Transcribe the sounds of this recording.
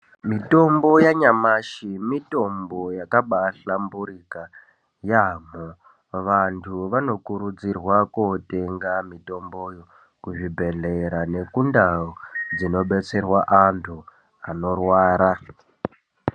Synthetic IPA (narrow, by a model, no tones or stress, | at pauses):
mito̞mbo̞jaɲamaʃimito̞mbo̞jakaɓaɬambuɾika | jamo | ʋantʰuʋano̞kuɾud͡zirwakote̞ŋɡamito̞mbo̞jo | kuʐibʱe̞ɮeɾane̞kundaod͡zino̞ɓe̞t͡se̞rwaʔantʰu | ano̞rwaːɾa